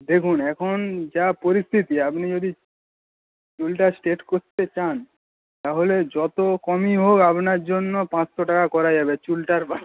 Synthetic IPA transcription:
d̪ekʰunɛkʰond͡ʑapoɾist̪ʰit̪iapnid͡ʑod̪i | t͡ɕulʈasʈeʈkoɾt̪et͡ɕan | t̪aɦoled͡ʑɔt̪okɔmiɦokapnaɾd͡ʑonːopãt͡ɕt̪oʈakakɔɾad͡ʑabet͡ɕulʈaɾpa

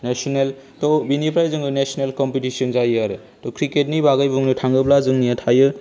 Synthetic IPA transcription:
nesɔnel | tɔbinipʰɾajzɯŋɡɯnesɔnelkɔmpitisɔnzajaɾe | tɔkʰɾiket̚nibaɡajbuŋnɯtʰaŋɡɯplazɯŋnijatʰajɯ

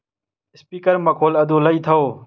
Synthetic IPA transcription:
ɪspiːkəɾmakʰoːləd̪ʱoːləiːt̪ʰəoː

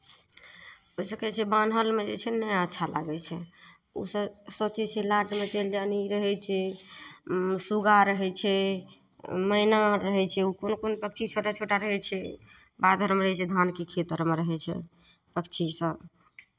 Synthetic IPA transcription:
ɦoisəkɛt͡ʃʰɛbanɦəlmed͡ʒḛt͡ʃʰɛnəjaətːʃʰalʔa̰ɡɛt͡ʃʰɛ | ṵsəsot͡ʃɛt͡ʃʰɛlaʈmet͡ʃəld͡ʒaniɾəɦɛt͡ʃʰɛ | suɡaɾəɦɛt͡ʃʰɛ | məinaɾəɦɛt͡ʃʰɛukonokonopək̚t͡ʃʰit͡ʃʰoʈat͡ʃʰoʈaɾəɦɛt͡ʃʰɛ | bad̪ʱəɾmɾəɦɛt͡ʃʰɛd̪ʱankekʰet̪əɾmeɾəɦɛt͡ʃʰɛ̰ | pəkt͡ʃʰisəb

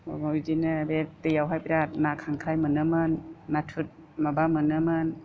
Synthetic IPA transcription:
mɔjdinɯbetɯjawɦajpiɾat̚nakʰaŋkʰɾajmɯnɯmɯnːatʰut̚ | mabamɯnɯmɯn

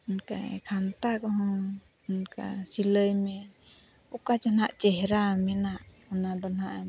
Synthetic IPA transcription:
unka̰j̰kʰant̪akɔɦɔ̃ | unka̰siləjmɛ | ukat͡ʃɔnaʔt͡ʃɛɦɛɾamɛnaʔ | ɔnad̪ɔnhaʔa

